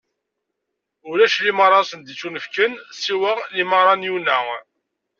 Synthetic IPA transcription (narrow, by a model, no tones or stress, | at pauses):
ʊlæʃliməɾˤːɑsənd̪it͡sːunəfkənsiwəliməɾˤɑnjunːæ